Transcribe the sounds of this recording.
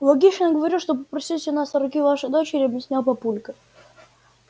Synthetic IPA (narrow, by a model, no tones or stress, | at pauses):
lˠɐɡʲiʂənəɡəvɐɾʲiʂt̪op̬əpɾɐsʲilʲˠsʲɪnasɐɾʊkʲivaʂɨd̪ot͡ɕɪɾʲɪɐbjɪsʲnʲalˠpɐpulʲkə